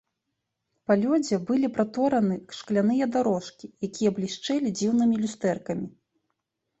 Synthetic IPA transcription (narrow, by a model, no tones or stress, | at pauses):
palʲɔd͡zʲɛbɨlʲipɾat̪ɔɾɐnɨkʂklʲan̪ɨjɐd̪aɾɔʂkʲijakʲijɐblʲiʂt͡ʂɛlʲid͡zʲiwnɨmʲilʲust̪ɛrkɐmʲi